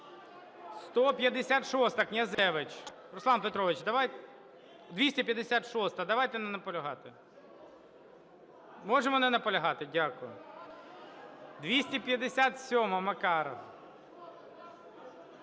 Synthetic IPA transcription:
st̪ɔpʲjɐd̪esʲat̪ʃɔst̪ɐknʲɐzɛʋɪt͡ʃ | ɾʊslˠɑnpet̪ɾɔʋɪt͡ʃd̪ɐʋajt̪ | d̪ʋʲisʲtʲipʲjɐd̪esʲat̪ʃɔst̪ɐd̪ɐʋajt̪ɛnɛnɐpɔlʲɐɦɑt̪ɪ | mɔʒemɔnɛnɐpɔlʲɐɦɑt̪ɪdʲakʊjʊ̰ | d̪ʋʲisʲtʲipʲjɐd̪esʲat̪sʲɔmɐmɐkɑɾɐ̰

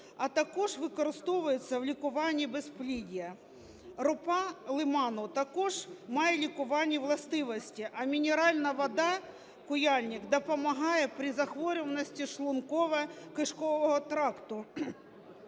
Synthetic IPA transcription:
ɐt̪ɐkɔʒʋɪkɔɾɪst̪ɔʋʊjɪt͡sʲːɐʋlʲikʊʋɑnʲːibesplʲidʲijɐ | ɾʊpɑlˠɪmɑnʊt̪ɐkɔʒmɑjɛlʲikʊʋɑnʲːiʋlˠɐst̪ɪʋɔsʲtʲiʔɐmʲinʲɪɾɑlʲnɐʋɔd̪ɑ | kʊjɑlʲnʲɪkd̪ɔpɔmɐɦɑjɛpɾʲizɐxʋɔɾʲɔʋɐnɔsʲtʲiʃlˠʊnkɔʋɛkɪʂkɔʋɔɦɔt̪ɾɑkt̪ʊ

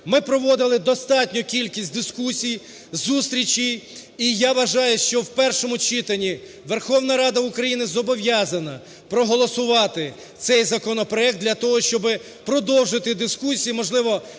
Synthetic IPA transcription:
mɪpɾɔʋɔd̪ɪlˠɪd̪ɔst̪ɑtʲnʲɔkʲilʲkʲisʲt̚ʲd̪ɪskusʲij | zust̪ɾʲit͡ʃʲijijaʋɐʒɑjʊʃt͡ʃɔwpɛrʃɔmʊt͡ʃɪt̪ɐnʲi | ʋerxɔwnɐɾɑd̪ɐʊkɾɐjinɪzɔbɔʋjazɐnɐ | pɾɔɦɔlˠɔsʊʋɑt̪ɪ | t̪sɛjzɐkɔnɔpɾɔɛk̚d̪lʲɐt̪ɔɦɔʃt͡ʃɔbɪ | pɾɔd̪ɔwʒɪt̪ɪd̪ɪskusʲijimɔʒlˠɪʋɔ

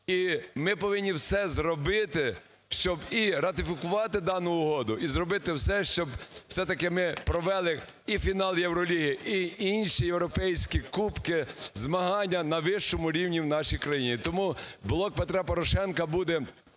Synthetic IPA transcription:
imɪpɔʋɪnʲːiwsɛzɾɔbɪt̪ɪ | ʃt͡ʃɔbiɾɐt̪ɪfʲikʊʋɑt̪ɪd̪ɑnʊːɦɔd̪ʊʔizrɔbɪt̪ɪwsɛʃt͡ʃɔbw̥sɛt̪ɐkɪmɪpɾɔʋɛlˠɪ | ifʲinɑlˠjewɾɔlʲiɦijiiinʲʃijewɾɔpɛjsʲkʲikupkɪzmɐɦɑnʲːɐnɐʋɪʃt͡ʃɔmʊɾʲiwnʲiwnɑʃijkɾɐjinʲit̪ɔmublˠɔk̚pet̪ɾɛpɔɾɔʃɛnkɐbud̪ɛ

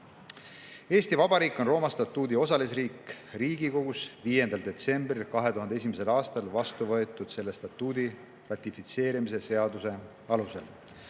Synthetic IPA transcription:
e̞ːst̪ivɑb̥ɑɾiːkːˑonro̞ːmɑst̪ɑt̪ːˑuːd̪io̞sɑlis̬riːk | riːɡiko̞ɡusviːje̞nd̪̥ɑld̪̥e̞t̪se̞mbrilkɑɦe̞t̪uɦɑnd̪eesimese̞lɑːst̪ɑlvɑst̪uvɤe̞t̪ːˑud̪̥se̞lːe̞st̪ɑt̪ːˑuːd̪i | rɑt̪ʲˑifit̪se̞ːɾimis̬e̞se̞ɑd̪use̞ | ɑluse̞̰l

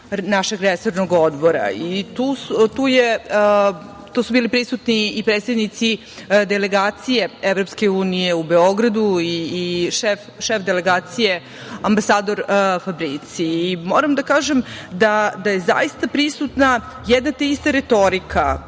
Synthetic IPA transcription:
naʃe̞ɡɾesoɾnoɡod̪bo̞ɾa̰it̪ust̪uːje | t̪osubiːlipɾisut̪niːpɾed̪t̪st̪ed̪nit̪si | d̪eleɡaːt̪sije̞evɾopskeuːnije̞ubeoɡɾad̪uiːʃef | ʃefd̪ele̞ɡaːt̪sije̞ | ambasaːd̪o̞ɾfabɾit̪siːmoːɾamd̪akaːʒemd̪ad̪ajeza̰jist̪apɾisut̪na | jɛd̪nat̪eist̪aɾet̪o̞ɾikʰa

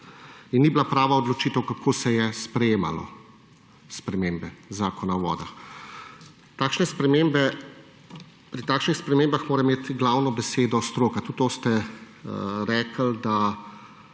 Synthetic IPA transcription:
inːiblapɾaːʋaɔd̪lɔt͡ʃiːt̪əwkakʰoːsɛjɛspɾɛjeːma̰lɔ̰ | spɾɛmembɛzaːkɔnawʋɔ̰ːd̪ax | t̪aːkʃnɛspɾɛmembɛ | pɾit̪aːkʃnixspɾɛmeːmbaxmoːɾɛmeːt̪ɡlaːwnɔbɛseːd̪ɔst̪ɾoːkat̪ut̪oːst̪ɛ | ɾɛːkəld̪a

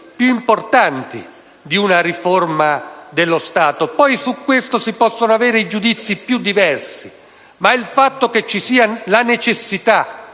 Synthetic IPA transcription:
pjuimport̪ant̪ḭ | d̪iunaɾiformad̪elːost̪aːt̪opɔjsukːwest̪osipɔsːonoavɛːɾeid͡ʒud̪it̪sːipjud̪ːivɛrsi | mailfat̪ːoket͡ʃːisiːalanet͡ʃesːit̪a

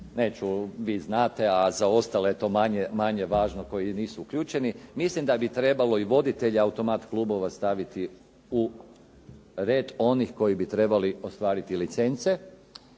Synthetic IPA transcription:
ne̞ːt͡ʃuʋiːznaːt̪e̞azao̞st̪aleet̪o̞ːmaɲemaɲe̞ʋaːʒnoko̞jiniːsuuklʎuːt͡ʃe̞nimislimd̪abit̪ɾe̞balo̞iʋo̞d̪it̪e̞ʎiaut̪o̞mat̪klˠuːbo̞ʋast̪aʋit̪i | u | ɾeːd̪o̞nixko̞jibit̪ɾe̞balio̞st̪ʋaːɾit̪ilit̪se̞nt̪se

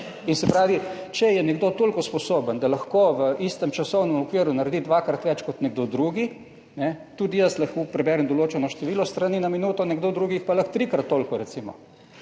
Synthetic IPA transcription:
insɛpɾaːʋit͡ʃɛjɛnɛɡd̪ot̪oːlkɔspɔsobənd̪alɐxkoʋəʔist̪ɛmt͡ʃɐsɔwnɛmɔkʋiɾunaɾd̪id̪ʋakɾat̪ʋɛt͡ʃkɔt̪nɛɡ̚d̪od̪ɾuːɡi | nɛt̪uːd̪ijəslɐxkopɾɛbɛɾɛmd̪oloːt͡ʃɛnɔʃt̪ɛʋiːlɔst̪ɾaninaminuːt̪ɔnɛɡd̪od̪ɾuːɡixpalɐxt̪ɾikɾat̪ːoːlkɔɾɛtsiːmɔ̰

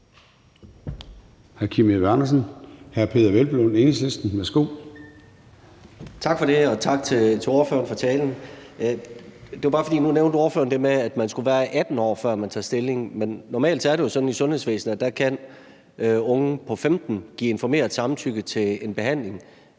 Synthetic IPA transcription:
hæɐkʰimeʋænɐsn̩hæɐpʰe̝̰ːðˠɐʋelb̥lonenisesd̥n̩mesɡ̥o̰ | t͡sʰɑ̈ɡ̥fɒ̽ɾe̝ɒ̽t͡sʰɑ̈ɡ̥̚t͡sʰe̝t͡sʰe̝o̝ːɐfø̰ːɐnfɒ̽t͡sʰɛːln̩ | d̥e̝ʋabɑ̈ːfɒ̽dḭːnuneʊnd̥əo̝ːɐfø̰ːɐnd̥e̝meæd̥mænsɡ̥uʋæːɐʔæd̥n̩ɒ̰ːfɶɐ̰mænt͡sʰɑ̰̈ːsd̥e̝le̝ŋmenːɒmɛ̰ːld̥sæɐɾejo̝sɒ̽d̥n̩isɔ̽nhesʋḛːsn̩ɒd̥ækʰæn | ɔ̽ŋəpʰɒ̽femd̥n̩ɡ̥ḭːe̝nfɒme̝̰ːɐðˠsɑ̈mn̩t͡sʰyɡ̥ət͡sʰe̝e̝nb̥e̝ɦæn̰le̝ŋ

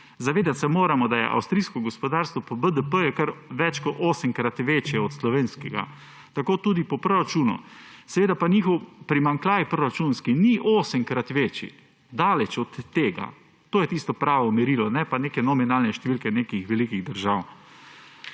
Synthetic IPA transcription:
zaʋeːd̪at̪sɛmoːɾamɔd̪ajɛ̰ʔa̰wst̪ɾiskɔɡɔspɔd̪aɾst̪ʋɔpɔbəd̪əpəjukəɾʋɛt͡ʃkɔtʔoːsəŋkɾat̪ʋeːt͡ʃjɛɔt̪slɔʋeːnskɛɡa̰ | t̪akoːt̪uːd̪ipɔpɾɔɾat͡ʃuːnṵsɛʋeːd̪apanixɔwpɾimaŋklaːjpɾɔɾat͡ʃunskiniʔoːsəŋkɾat̪ʋeːt͡ʃḭ | d̪aːlɛt͡ʃɔt̪ːeːɡa̰ | t̪oːjɛt̪ist̪ɔpɾaːʋɔmɛɾilɔnɛpaneːkɛnɔminaːlnɛʃt̪ɛʋiːlkɛneːkixʋɛlikiɣd̪əɾʒaːw

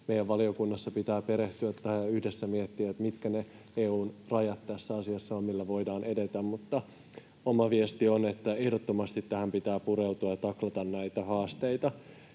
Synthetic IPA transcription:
mejæʋʋɑlio̞kunːɑsːɑpit̪æːpe̞ɾeht̪yæt̪ːæhæyhdesːæmiet̪ːiʋæt̪mit̪kæne | eːuːnrɑjɑt̪t̪æsːæɑsiɑsːɑomilːæʋo̞idɑːnede̞t̪æmmut̪ːɑ | omɑʋiest̪io̞net̪ːæe̞hdot̪ːo̞mɑst̪it̪tæhæmpit̪æːpuɾewt̪uɑjɑt̪ɑklɑt̪ɑnnæjt̪æhɑːst̪ejt̪ɑ

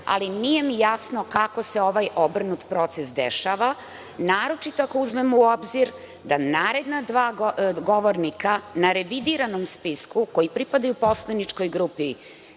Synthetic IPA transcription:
a̰linije̞mijasno̞kako̞seo̞ʋajobr̩nut̪pɾo̞t̪sesd̪ḛʃaːʋa | naːɾo̞t͡ʃit̪oako̞uzmemuobziɾ | d̪anaːɾe̞d̪nad̪ʋaːɡo̞ʋoɾnikanaɾeʋid̪iɾanomspiskuko̞jipɾipad̪ajupo̞slanit͡ʃko̞jɡɾupi

